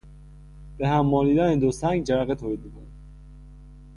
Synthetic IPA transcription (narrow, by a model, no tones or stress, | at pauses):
b̥eɦæmːɒːliːd̪æned̪osæŋɡd͡ʒæɾæɣet̪ʰoɾid̪mikʰon